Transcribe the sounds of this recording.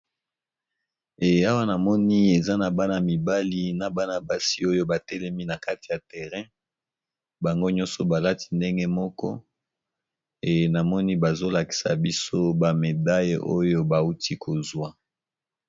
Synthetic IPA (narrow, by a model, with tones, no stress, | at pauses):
e˨a˦wa˦na˨mɔ˦ni˦e˨za˦na˨ba˦na˨mi˨ba˦li˦na˨ba˦na˨ba˨si˦o˦jo˦ba˨tɛ˦lɛ˦mi˦na˨ka˦ti̥˨ja˨tɛ˨ʁɛ̃˦ | ba˨ŋɡo˦ɲɔ̃˦nsɔ˨ba˨la˦ti̥˦nde˦ŋɡe˦mɔ˦kɔ˦ | e˨na˨mɔ˦ni˦ba˨zo˦la˨ki̥˨sa̰˨bi˦so˦ba˨me˨da˦jʔo˦jo˦ba˨u˦ti˦kʰo˨zwa˦